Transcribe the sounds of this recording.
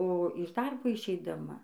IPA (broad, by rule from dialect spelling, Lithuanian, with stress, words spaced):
oː ɪʃ ˈdɐrboː ɪʃʲɛɪdɐˈmɐ